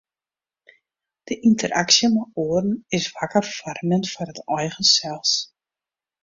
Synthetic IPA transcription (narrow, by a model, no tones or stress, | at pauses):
d̥əʔintʰəɾaksjəmaoːərn̩ɪsʋakərfɔrnənfɔrətɔjɣəsɛlˠs